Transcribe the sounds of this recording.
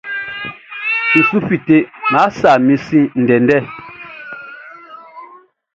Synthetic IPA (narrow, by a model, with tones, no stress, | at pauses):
n̩˨su˦fi˨te˨ma˨˦sa˨mi˨˦sĩ˦n̩˨dɛ˨ndɛ˦˨